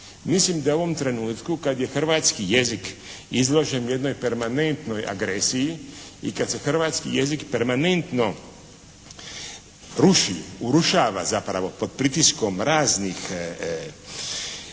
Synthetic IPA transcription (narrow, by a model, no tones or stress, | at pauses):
mislimd̪aoʋo̞mt̪ɾe̞nuːt̪kukad̪je̞xr̩ʋaːt̪skije̞zik | izlˠo̞ʒenje̞d̪no̞jpe̞ɾmane̞nt̪no̞jʔa̰ɡɾesijiikad̪se̞xrʋaːt̪skije̞zikpeɾmane̞nt̪no̞ | ɾuʃiouɾuʃaːʋa̰zapɾa̰ʋo̞po̞d̪̚pɾit̪isko̞mɾaːznix